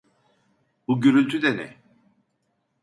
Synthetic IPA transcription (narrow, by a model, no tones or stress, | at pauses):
buɟyɾylʲt̪ʰyd̪ɛnɛ̰